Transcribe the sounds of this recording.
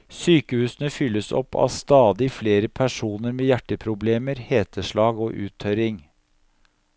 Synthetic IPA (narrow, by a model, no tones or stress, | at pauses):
syːkəhʉːsənəfʏlːəsɔ̰pʰːɑ̰st̪ɑːd̪ɪfleːɾəpʰæʂuːnəɾmeːjæʈːəpʰɾʊbleːməɾheːt̪əʂɭɑːɡoːʔʉ̰ːt̪ʰœɾɪŋ